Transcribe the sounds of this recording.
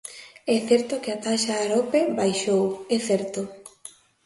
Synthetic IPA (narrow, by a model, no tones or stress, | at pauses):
ɛθɛɾt̪okɪat̪aʃaːɾopebajʃowɛθɛɾt̪o